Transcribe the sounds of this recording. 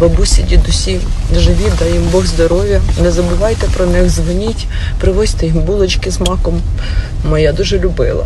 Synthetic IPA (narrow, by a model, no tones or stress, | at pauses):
ʋɐbusʲɪdʲid̪ʊsʲiʒɪʋʲid̪ɑjimbɔɣzd̪ɔɾɔʋʲjɐnɛzɐbʊʋɑjt̪ɛpɾɔnɪxzʋɔnʲitʲ | pɾɪʋɔzʲt̪ɛjimbulˠɔt͡ʃkɪzmɑkɔmː | ɔjad̪uʒɛlʲʊbɪ̰lˠɐ̰